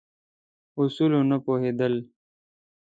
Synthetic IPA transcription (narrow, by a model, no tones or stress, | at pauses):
usulonɐpoːɦeːd̪əl